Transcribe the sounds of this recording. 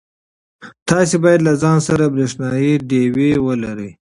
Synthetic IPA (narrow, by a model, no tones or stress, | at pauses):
t̪ɑsebɑjad̪lazɑnsaɾabɾeʂnɑjiɖewewəlaɾəj